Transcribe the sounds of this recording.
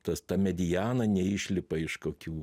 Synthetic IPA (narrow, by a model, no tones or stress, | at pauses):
t̪ɐst̪ɑmʲɛd̪ʲɪjæːnɐnʲɛiʃʲlʲɪpɐɪʃkoːkʲuː